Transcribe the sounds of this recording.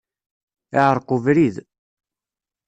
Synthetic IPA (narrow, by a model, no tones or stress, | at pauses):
iʕəɾˤqʊvɾið